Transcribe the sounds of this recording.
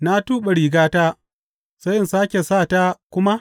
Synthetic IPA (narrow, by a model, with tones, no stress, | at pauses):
na˦tuː˦ɓe˨ɽiː˨ɡaː˦taː˦ | sɐ˦jʔɪ˨nsaː˦kʲe˨saː˦˨taː˦kʷʊ˦ma˦